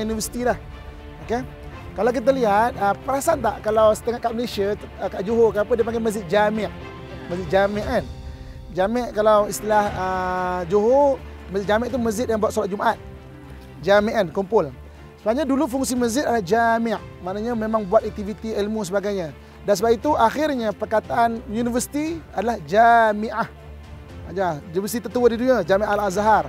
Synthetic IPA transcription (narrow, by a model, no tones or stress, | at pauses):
univəsi̥t̪ilah | oke | kalawk̬it̪̬aliɦat̪̚əpəɾasant̪aʔkalawsə̥t̪əŋaʔkaʔməlesiəkaʔd͡ʒoɦokənapədiəp̬aŋɡaməzɪk̚d͡ʒamɪʔ | məzɪʔ̚d͡ʒamiʔən | d͡ʒamɪʔkalawist̪ilahəd͡ʒoɦo | məzɪt̪̚d͡ʒamɪʔt̪uməzɪt̪̚jaŋbuat̪solat̪̚d͡ʒumʔat̪̚ | d͡ʒamiʔankumpʊl | səbaɲadulufuŋsiməzɪt̪adalahd͡ʒamɪʔ | maʔnaɲamemaŋbuat̪̚ak̚t̪ivit̪iilmus̬əbaɡajɲa | dansəbait̪uʔaxɪrɲapərkat̪aʔanjunivərsi̥t̪iadalahd͡ʒamiʔah | d͡ʒajuivəst̪it̪ət̪uwədiduɲiad͡ʒamiʔalazaɦar